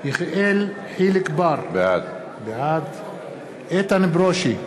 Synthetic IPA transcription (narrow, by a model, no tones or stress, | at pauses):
jiχel | ħilɪkbaɾbead̪ | bead̪ | et̪anbɾoʃi